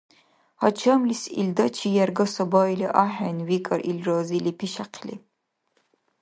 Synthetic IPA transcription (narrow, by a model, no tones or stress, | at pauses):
hɐt͡ʃʰɐmlisḭld̪ɐt͡ʃʰijɛrɡɐsɐbajliʔaħanwikʼɐɾʔilraːzilipʰiʃaqʰlḭ